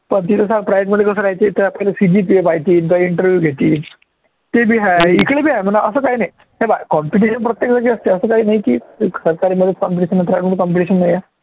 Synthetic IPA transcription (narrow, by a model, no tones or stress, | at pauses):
pəɳt̪̬it̪esapɾajeʈməd̪ʱːjekəs̬əːɾajt͡ɕet̪əɾapəɦilasid͡ʑiːpiepajt̪iːnt̪aiɳʈəɾʋjuːɡʱet̪iːn | t̪ebʱiːɦaikɭebʱiːɦãjm̤əɳnaəsəːkaɦiːnaɦi | ɦẽbajkɔmpiʈ̬iɕənpɾət̪jek̚d͡zakiəst̪eəsəːkaɦiːnaɦikiːsəɾkaɾiːməd̪ʱːjet͡skɔmpiʈiɕənːapɾajeʈməd̪ʱjekɔmp̬iʈiɕənːajja